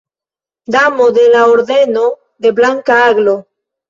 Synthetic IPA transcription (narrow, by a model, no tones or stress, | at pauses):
d̪amod̪e̞laoɾd̪e̞no | d̪e̞blaŋkaaɡlo